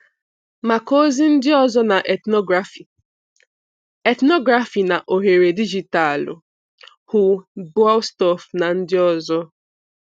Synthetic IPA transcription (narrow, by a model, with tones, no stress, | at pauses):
ma˨ko˦zi˦n̩˦dɪ˦ɔ˦zɔ˦na˨ʔe˨tnɔ˦ɡɾa˨f | e˨tnɔ˦ɡɾa˨fi˨na˨ʔo˨ɦe˨ɾe˨di˦d͡ʒi˨ta˨lʊ̰˨ | hu˨bwa˦wstɔ˦fna˨n̩˦dɪ˦ɔ˦zɔ˦